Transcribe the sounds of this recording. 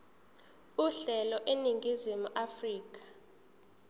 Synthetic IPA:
uɬɛlɔʔeniŋɡʱizimuʔafriːk̬ʼḁ

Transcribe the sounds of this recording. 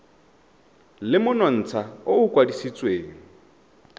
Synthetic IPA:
lɪmʊnɔn̩ːt͡sʰaʊukʼwadisit͡sʼweːŋ̩

